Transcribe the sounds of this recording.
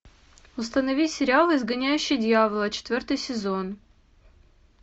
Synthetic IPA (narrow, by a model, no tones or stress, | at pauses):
ʊs̬t̪ənɐvʲisʲɪɾʲɪalˠɨɪzɡɐnʲæjʉɕːɪjd̪ʲɪjavəlˠət͡ɕɪ̥t̪vʲort̪ɨjsʲɪzon